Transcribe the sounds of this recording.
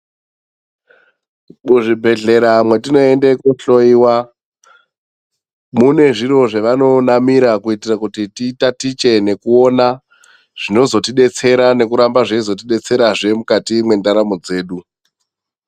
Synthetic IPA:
muʐibʱe̞ɮe̞ɾamwe̞tino̞e̞ndekuɬo̞iwa | mune̞ʐiɾo̞ʐeʋano̞namiɾakuitirakutititatit͡ʃe̞ne̞kuona | ʐ̥ino̞zo̞tiɗe̞t͡se̞ɾane̞kuɾambaʐeizo̞t̬iɗe̞t͡se̞ɾaʐe̞mukatimwe̞ndaɾamo̞d͡ze̞ːɗu

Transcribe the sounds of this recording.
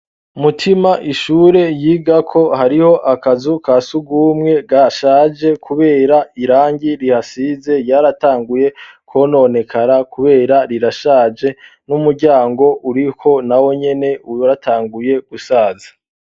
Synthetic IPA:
umutʰimaʔiʃuːɾe̞jiːɡakʰo̞haɾiho̞ʔakazukasuɡuːmŋe̞ɡaʃaːd͡ʒe̞kʰuβe̞ːɾaiɾaːɲɟiɾihasize̞jaɾataːŋɡuje̞kʰo̞no̞ne̞kʰaɾakuβe̞ːɾaɾiɾaʃaːd͡ʒe̞ | numuɾɟaːŋɡo̞ʔuɾikʰo̞nawo̞ɲe̞ne̞uɾatʰaːŋɡuje̞ɡ̥usaːzḁ

